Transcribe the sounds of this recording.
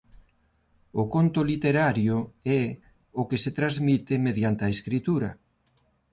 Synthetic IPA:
ʊkont̪ʊlit̪eɾaɾjʊɛ | ʊkeset̪ɾazmit̪ɪmeðjant̪eɐeskɾit̪uɾɐ

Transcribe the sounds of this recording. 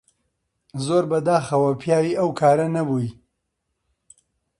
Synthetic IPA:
zoɾbad̪ɑxawapʰjɑwiawkʰɑɾanabuji

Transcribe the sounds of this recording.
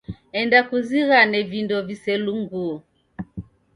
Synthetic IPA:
ɛndakuziɣanɛvindɔvisɛluŋɡuɔ

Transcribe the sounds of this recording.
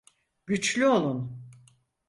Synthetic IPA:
ɟyt͡ʃlʲyo̞lˠun

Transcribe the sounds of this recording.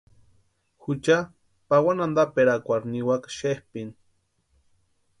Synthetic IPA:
xut͡ʃa | pawanand̪apeɾakʷaɾniwakʃehpin

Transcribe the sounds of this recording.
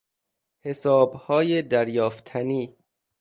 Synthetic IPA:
he̞sɒːbhɒːjed̪æɾjɒːft̪ʰæniː

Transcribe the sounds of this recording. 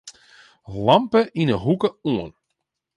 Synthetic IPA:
lɑmpəʔinəɦukəuən

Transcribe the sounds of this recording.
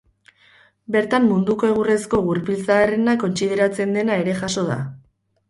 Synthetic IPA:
be̞ɾt̪amːund̪uko̞e̞ɣ̞ure̞sko̞ɣuɾpilt͡saːrenako̞nt͡siðe̞ɾat͡se̞nd̪e̞nae̞ɾe̞ʝaso̞ð̞a̰

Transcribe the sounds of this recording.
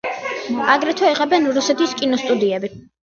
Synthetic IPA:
aɡɾɛt̪ʰwɛiʁʼɛbɛnɾusɛt̪iskʼinɔst̪ʼud̪iɛbi

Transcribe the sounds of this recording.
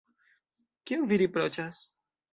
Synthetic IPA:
kiuviɾipɾot͡ʃas

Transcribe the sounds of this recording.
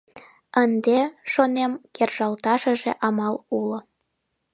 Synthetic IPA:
ənd̪eʃonemkerʒɑlt̪ɑʃə̆ʒeʔɑmɑlulŏ

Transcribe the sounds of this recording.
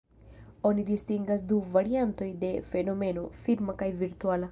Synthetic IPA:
o̞nid̪ist̪iŋɡas̬d̪uvaɾiant̪o̞jde̞fe̞no̞me̞no̞fiɾmakajviɾt̪uala

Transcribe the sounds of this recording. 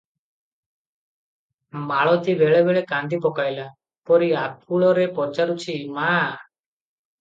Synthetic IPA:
maɭɔt̪ibɛɭɛbɛɭɛkand̪ipɔkajla | pɔɾiapʰuɭɔɾɛpɔɾt͡ʃaɾut͡ʃʰima

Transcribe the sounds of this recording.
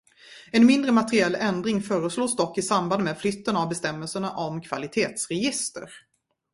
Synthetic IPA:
ɛnmɪnd̪ɾəmat̪ɾɪɛlːɛnd̪ɾɪŋfœːɾəsloːsd̪ɔkːɪsamband̪meːd̪flʏt̪ːənavbɛst̪ɛmːɛlsəɳaʔɔmkʰv̥alɪt̪ʰeːt̪sɾɛjɪst̪ə̰ɾ

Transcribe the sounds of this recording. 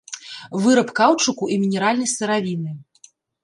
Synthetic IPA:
vɨɾɐpkawt͡ʂɨkuʔimʲinʲɛɾalʲnɐjsɨɾavʲinɨ

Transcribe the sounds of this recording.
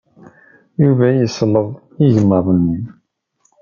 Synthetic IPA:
juvæjəsləðˤ | iʝəmːəɾˤənːim

